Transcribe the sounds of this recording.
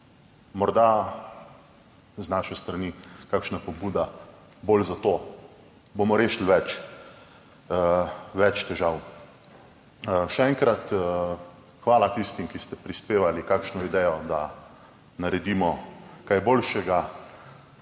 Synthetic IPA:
mɔɾd̪a | znaʃɛst̪ɾanikakʃnapɔbuːd̪a | bolzat̪oː | bomɔɾeːʃlʋɛt͡ʃ | ʋɛt͡ʃt̪ɛʒaw | ʃɛɛŋkɾat̪ | xʋaːlat̪ist̪imkist̪ɛpɾispeːʋalikakʃnɔid̪ɛjɔd̪a | naɾɛd̪imɔkajbolʃɛɡa

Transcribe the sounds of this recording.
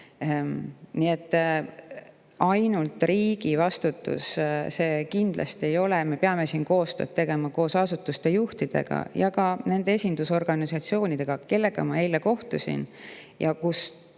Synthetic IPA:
nie̞t̪ːˑ | ɑjnult̪ˑriːɡ̥ivɑst̪ut̪ːṵsse̞ːkind̪̥lɑ̰st̪ie̞jo̞leme̞peɑme̞siːnko̞ːst̪øːdt̪t̪e̞ɡ̥e̞mɑko̞ːsɑsut̪ːˑust̪e̞juht̪id̪̥e̞̰ɡ̥ɑ̰jɑkɑne̞nd̪ee̞sʲind̪̥uso̞rɡ̥ɑnisɑt̪sio̞ːnid̪̥e̞ɡ̥ɑke̞lːe̞ɡ̥ɑ̰mɑe̞jlːeko̞ht̪usḭnjɑkus

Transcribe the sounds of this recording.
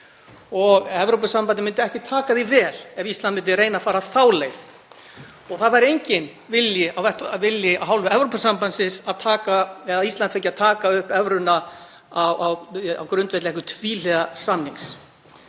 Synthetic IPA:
ɔɣɛvɾowpʏsampant̪ɪmɪnt̪ɪɛhcɪt̪ʰaːkaðivɛːlɛvist̪lanmɪnt̪ɪɾeːjnafaːɾaθaːwlejθ | ɔɣθaðvaɾejɲcɪn | vɪljɪʔawθɛht̪vɪljɪaðɦawlvʏɛvɾowpʏsampansɪsaðt̪ʰaːkaɛðaðist̪an̥fejcːaðt̪ʰaːkaʏhpɛvɾʏna | awawa̰wkɾʏnt̪vɛt̪lɛhkʏt̪ʰviːlɛɣasamniŋs

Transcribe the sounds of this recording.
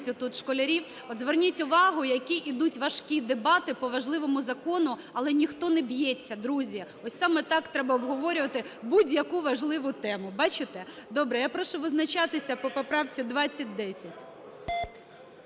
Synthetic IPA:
tʲʊt̪ut̪ʃkɔlʲɐɾʲiw | ɔd̪zʋernʲitʲʊʋɑɦʊjɐkʲiʔid̪utʲʋɐʃkʲid̪ebɑt̪ɪpɔʋɐʒlˠɪʋɔmʊzɐkɔnʊ | ɐlˠɛnʲixt̪ɔnɛbjɛt͡sʲːɐd̪ɾuzʲi | ɔsʲsɑmɛt̪ɑkt̪ɾɛbɐɔbɦɔʋɔɾʲʊʋɐt̪ɪbudʲjɐkuʋɐʒlˠɪʋʊt̪ɛmʊbɑt͡ʃɪt̪ɛd̪ɔbɾɛjapɾɔʃʊʋɪznɐt͡ʃɑt̪ɪsʲɐpɔpɔpɾɑwt͡sʲid̪ʋɑt͡sʲːɐt̚ʲd̪ɛsʲɐtʲ

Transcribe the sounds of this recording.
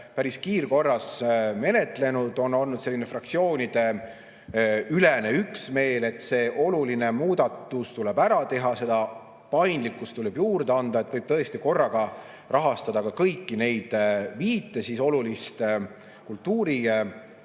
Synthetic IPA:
pæɾiskiːrko̞rːɑsme̞ne̞t̪ˑle̞nud̪̥o̞nːo̞lnud̪̥se̞lːinefrɑkt̪sio̞ːnʲid̪̥e̞ | ylene̞yksme̞ːle̞t̪ːse̞ːʔo̞luline̞muːd̪̥ɑt̪ːˑust̪ulebæɾɑt̪e̞ɦɑse̞d̪ɑ | pɑjnd̪likːˑust̪ːulɛbjuːrd̪̥eɑnd̪̥ɑe̞t̪ːˑvɤjb̥̚t̪ɤe̞st̪iko̞rːɑɡ̥ɑ | rʔɑɦɑst̪ɑd̪̥ɑkɑkɤjkːine̞jd̪̥viːt̪ːˑesiso̞lulist̪ | kult̪ːuːɾi

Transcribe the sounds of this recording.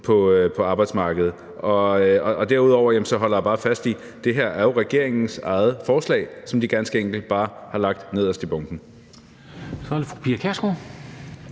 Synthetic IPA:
pʰɒ̽øpʰɒ̽ɑ̈ːb̥ɑ̈ɪd̥smɑ̈ːɡ̥əð̩ˠ | ɒ̽ɒ̽ɒd̥æɐ̰uðˠɒʊ̰ɐjæm̩sɒ̽ɦɒ̽l̰ɐjæb̥ɑ̈ːfæsd̥i | d̥e̝ɦeɐ̰æɐjo̝ʁɛɡ̥e̝ɐ̰eŋn̩sɑ̈ɪð̞̩ˠfɒːslɛ̰ɪsɒ̽md̥iɡ̥ænsɡ̥əeŋ̰ɡ̥l̩d̥̚b̥ɑ̈ːhɑ̈lɑ̈ɡ̥̚d̥ne̝ð̞̰ˠɒsd̥ʰe̝b̥ɔ̽ŋd̥n̩ | sɒæd̥efupʰiɐkʰæɐsɡ̥o

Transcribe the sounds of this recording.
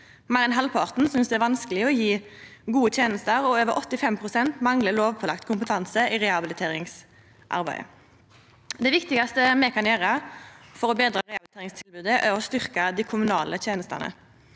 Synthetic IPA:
mɑʁɪnɦɑlpʰɑːʁt̪n̩sʏnsd̪ɛæɾʋɑnskəlɪəɔjiː | ɡuːət̪ʰjeːnəst̪əʁɔøːʋəɾʔɔt̪ːɪfɛmpʰʁʊsɛnt̪mɑŋləloːʋpʰɔːlɑ̰k̚t̪kʰʊmpət̪ʰɑnsəiʁɛɑbɪlɪt̪ʰeːɾɪŋs | ʔɑ̰ʁbæ̰ɪə̰ | d̪ɛʋɪkt̪ɪɡɑst̪əmɛkʰɑnjøːʁɑfɔɾɔbeːd̪ɾɑːʁɛɑbɪlɪt̪eːʁɪŋst̪ʰɪlbʉːd̪əʔæʁɔst̪ʏʁkɑd̪ɪkʰʊmʉnɑːlət̪ʰjeːnəst̪ɑ̰nə̰

